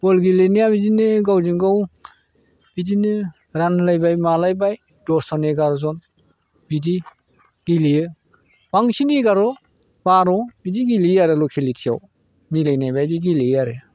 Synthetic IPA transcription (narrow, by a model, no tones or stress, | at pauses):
bɔlɡilenijabidinɯɡawziŋɡaw | b̥idinɯ | ɾanlajbajmalajbaj | dɔsɔneɡaɾɔzɔn | bidi | ɡiliɯ | baŋsiniɡaɾɔ | baɾɔbidiɡiliaɾelɔkʰilitʰija̰w | milajnajbajziɡilijaɾe